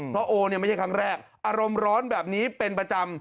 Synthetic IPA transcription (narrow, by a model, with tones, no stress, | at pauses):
pɾɔ˦˥ʔoː˧ni˥˩ma˥˩a˥˩kʰa˦˥ŋɾɛː˥˩k̚ʔʔaː˧ɾo˧mɾɔː˦˥nbɛː˨˩p̚niː˦˥pe˧npɾa˧t͡ɕa˧m